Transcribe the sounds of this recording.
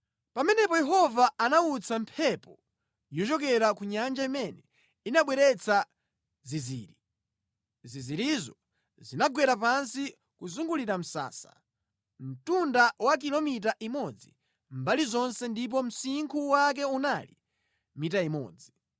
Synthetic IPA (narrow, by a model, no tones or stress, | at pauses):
pamɛnɛpɔjɛɦɔvaanaut͡sampʰɛpɔ | jɔt͡ʃɔkɛɾakuɲand͡ʒaimɛnɛ | inaɓwɛɾɛt͡sʰa | zizḭːɾi | ziziɾizɔ | zinaɡwɛɾapansi | kuzuŋɡuliɾam̩sa̰ːsḁ | m̩tundawak̬ilɔmit̬aʔimɔd͡zi | mbalizɔnsɛndip̬ɔm̩siŋkʰuwak̬ɛunalḭ | mitaimɔ̰ːd͡zi